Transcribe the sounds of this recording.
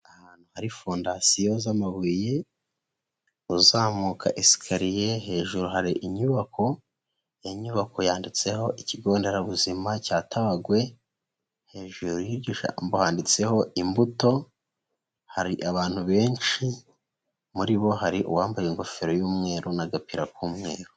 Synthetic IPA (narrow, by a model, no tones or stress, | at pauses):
ahaːn̥huhaɾifondasijo̞zamaβiːje | uzaːmukʰa̰ʔisi̥kʰaɾijeɦe̞ːʒuɾuɦaɾiʔiɲuβakʰo̞ | jeɲuβako̞jaːndit͡se̞ho̞ʔiciɡo̞ːnde̞ɾaβuzimacaːtʰaβaɡwe̞ | he̞ːʒuɾujiɾɟiʃa̰mbohaːndit͡se̞ho̞imbuto̞ | haɾiʔaβaːn̥huβe̞ːnt͡ʃi | muɾiβo̞haɾiʔṵwaːmbajeŋɡo̞feɾo̞juːmŋe̞ːɾonaɡapiɾakuːmŋe̞ːɾo